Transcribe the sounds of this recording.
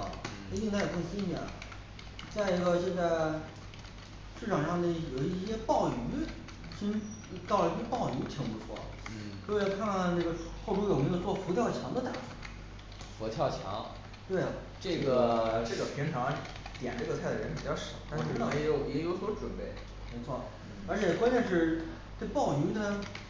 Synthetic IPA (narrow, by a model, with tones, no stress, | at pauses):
i˥˧nt̪a˥jkɤ˥˩ŋsi˥ni˧˩jɛ̰˨˩n | t͡sa˥˩ɪi˧˥ɡə˧ʈ͡ʂɤ˥˩˧ka˥˩ | ʂɻ̩˥˩ʈ͡ʂʰɑ˨˩ʂɑ˥˧ŋd̪i˧˩jo˨˩ʊi˥˧˥ɕjɛ˥pɑ˥˩ʊy˧˥ | t͡ɕʰi˥ŋ | t̪ɑ˥˩ʊlə˧i˥ɕjɛ˥pɑ˥˩ʊy˧˥t͡ɕ̪ʰi˧˥ŋpu˧t͡sʰwɔ̰˥˩ | ɔ˥˧kʰa˥˧nkʰa˥˧nʈ͡ʂɤ˥˩ɡə˩˥xo˥ʊʈ͡ʂʰu˥jo˨˩m˧˥˧t͡swɔ˥˩fu˧˥t̪ʰjɑ˥˩ʊt͡ɕʰjɑ˧˥ŋd̪ə˧t̪a˥˩ʈ͡ʂu˨˩˦ | fɔ˧˥t̪ʰjɑ˥˩ʊt͡ɕʰjɑ̰˧˥ŋ | t̪we˥˩ɪ˩ | ʈ͡ʂɤ˥˩ɡə˩ʈ͡ʂɤ˥˩ɡə˩pʰi˧˥nʈ͡ʂʰɑ˧˥ | t̪jɛ̰˨˩nʈ͡ʂɡət͡sʰa˥˩ɪd̪ə˩ɻə˧˥npi˨˩t͡ɕjɑ˥˩ʂɑ˨˩˦t̪a˥˧˥ɻɑ˥˩˧ɛ˥jo˧˩ʊjɛ˧˥jo˧˥swɔ˧˥ʈ͡ʂwə˨˩npe˥˩ɪ | me˧˥ɪt͡sʰwɔ˥˩ | ə˞˧˥t͡ɕʰjɛ˨˩kwa˥nt͡ɕʰɛ˥˧ʂɻ̩˥˧ | ne˥˧pɑ˥˩ʊy˧˥d̪ə˧